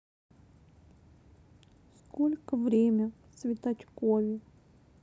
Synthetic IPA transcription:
skolʲkəvɾʲemʲə | svʲɪt̪at͡ɕkovʲɪ

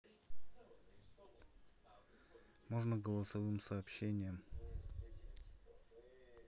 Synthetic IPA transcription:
moʐnəɡəlˠəsɐvɨmsɐːpɕːenʲɪjəm

